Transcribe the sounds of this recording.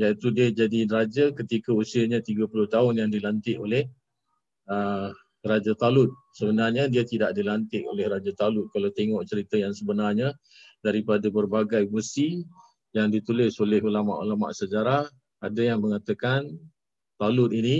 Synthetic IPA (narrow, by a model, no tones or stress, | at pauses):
jait̪udiad͡ʒadirad͡ʒakət̪ikausiəɲat̪iɡapulʊht̪aʊnjaŋdilant̪ɪʔolɛh | ə | rad͡ʒat̪alʊt̪̚ | səbənarɲadiat̪idaʔdilant̪ɪʔo̰lɛhɾad͡ʒat̪alʊt̪̚kalawt̪eŋɔʔt͡ʃəɾit̪ajaŋsəbənarɲa | daɾipadapərbaɡajbəsi | jaŋdit̪ulɪsolɛɦulama̰ʔulama̰ʔsəd͡ʒaɾah | adajaŋməŋat̪akan | t̪alʊt̪ini